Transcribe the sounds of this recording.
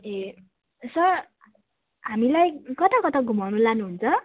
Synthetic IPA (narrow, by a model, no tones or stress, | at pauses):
e | sʌr | ɦamilajkʌt̪akʌt̪ʌɡʱumawnulanuɦunt͡sʰʌ